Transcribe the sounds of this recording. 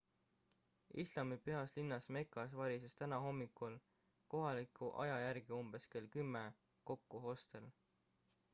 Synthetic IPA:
islɑmipeɑslinːɑsme̞kːˑɑsvɑɾisest̪ænɑɦo̞mːikˑul | ko̞ɦɑlikʰˑuʔɑ̰jɑjæɾɡ̥iumb̥e̞ske̞lkymːe | ko̞kːuɦo̞st̪e̞l

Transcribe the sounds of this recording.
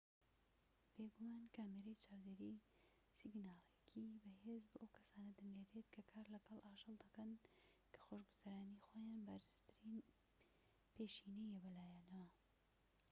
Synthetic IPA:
b̥eːɡumaːnkaːmeɾɐjt͡ʃʰaːwd̪eɾi | siɡnaːlˠekʰibɐɦeːzboːʔɐwkʰɐ̥saːnɐd̪ɨŋɡed̪et̪kʰɐkʰaːɾlɐɡɐlˠʔaːʒɨlˠd̪ɐkɐn | kʰɐ̥xoʃɡuzɐɾaːnixoːjaːnbaɾɨz̥t̪ʰɨɾiːn | peːʃiːnejɛbɐlaːjaːnɐwɐ

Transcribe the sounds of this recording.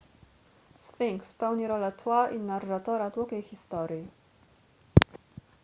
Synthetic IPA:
sfʲiŋkspɛwɲiɾɔlɛt̪waʔinarːat̪ɔɾat̪wukʲɛjxʲist̪ɔɾʲji

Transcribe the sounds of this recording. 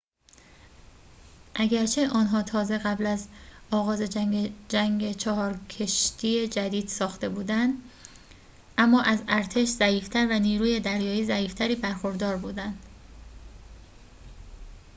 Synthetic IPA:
ʔæɡæɾt͡ʃʰe̞ʔɒːnɦɒːt̪ʰɒːze̞ɣæblæzɒːɣɒːze̞d͡ʒæŋɟet͡ʃʰɒɦɒːɾcʰe̞ʃt̪ʰije̞d͡ʒæd̪iːd̪̥sɒːxt̪e̞buːd̪ænd̪ | ʔæmːɒːʔæzæɾt̪ʰe̞ʃzæiːft̪ʰæɾvæniːɾuːje̞d̪æɾjɒːiːzæiːft̪ʰæɾiːbæɾxoɾd̪ɒːɾbuːd̪ænd̪̥

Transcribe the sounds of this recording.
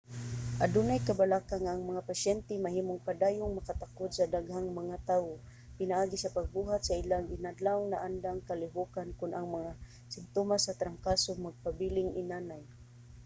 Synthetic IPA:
ʔadunajkabalakaŋaʔːŋmaŋapasjɛnt̪ɛmaɦiːmʊŋpad̪aːjʊŋmakat̪akod̪sad̪aɡhaŋmaŋat̪aːwo | pɪnaʔaːɡisapaɡ̚buɦat̪saʔilaŋɡɪnad̪lawnaʔand̪aŋkalɪɦukankʊnaŋmaŋa | sɪmt̪omasat̪ɾaŋkasomaɡ̚pabilɪŋʔɪ̰nanaj

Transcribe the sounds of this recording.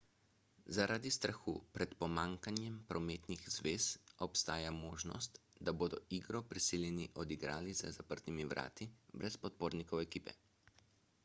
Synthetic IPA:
zaɾʔaːd̪ist̪ɾaxṵːpɾɛt̪pɔmaːŋkanjɛmpɾɔmeːt̪niɣzʋeːsɔpst̪aːjamoːʒnɔ̰st̪d̪aboːd̪ɔiːɡɾɔpɾisiljɛniʔɔd̪iɡɾaːlizə̰zapəɾt̪nimiʋɾʔa̰ːt̪ibɾʔɛspɔt̪̚poːɾnikɔwɛkiːpɛ̰

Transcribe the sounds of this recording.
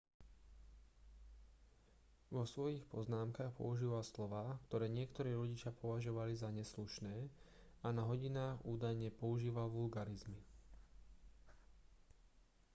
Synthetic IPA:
ʋɔsʋɔjixpɔznaːmkaːxpɔ̰uʒiːʋalslɔʋaːkt̪ɔɾɛːɲɪɛkt̪ɔɾiːɾɔɟit͡ʃɪapɔʋaʒɔʋalizaɲɛsluʃnɛː | anaɦɔɟinaːɣuːd̪ajɲɛpɔuʒiːʋalʋulɡaɾizmi

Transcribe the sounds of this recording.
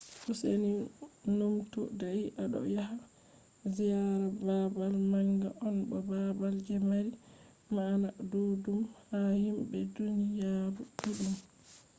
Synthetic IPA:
kuseninumtṵdajiʔaɗɔ̰jaɦa | zijaɾababalmaŋɡaʔɔnbɔbabald͡ʒɛmaɾi | manadudumhahimbɛdunijaɾukuɗum

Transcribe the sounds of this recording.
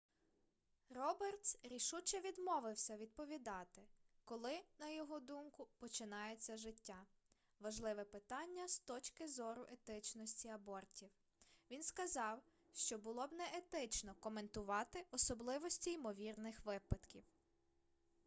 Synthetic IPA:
rɔbert̪sɾʲiʃut͡ʃɛʋʲid̪mɔʋɪwsʲɐʋʲid̪̚pɔʋʲid̪ɑt̪ɪkɔlˠɪnɐjɔɦɔd̪umkʊpɔt͡ʃɪnɑjet͡sʲːɐʒɪtʲːa | ʋɐʒlˠɪʋɛpɪt̪ɑnʲːɐst̪ɔt͡ʃkɪzɔɾʊʔet̪ɪt͡ʃnɔsʲtʲiɐbɔrtʲiw | ʋʲinskɐzɑw | ʃt͡ʃɔbʊlˠɔbnɛʔet̪ɪt͡ʃnɔkɔment̪ʊʋɑt̪ɪʔɔsɔblˠɪʋɔsʲtʲiːmɔʋʲirnɪxʋɪpɐd̪kʲiw

